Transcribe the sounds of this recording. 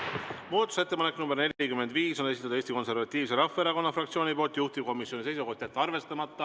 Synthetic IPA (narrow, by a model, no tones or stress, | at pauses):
muːd̪ɑt̪ːˑu̥se̞t̪ːepɑnekːˑnumbeɾne̞lʲikyme̞nd̪viːso̞ne̞s̬it̪ːɑd̪̥eːsʲt̪iko̞nse̞ɾvɑt̪ʲːˑiːvse̞ɾɑfːɑeɾɑko̞nːɑfrɑkt̪sio̞ːnipo̞ːlt̪ːˑjuht̪ip̚ko̞misjo̞nise̞jsuko̞ht̪jɑt̪ːɑrve̞st̪ɑmɑt̪ːɑ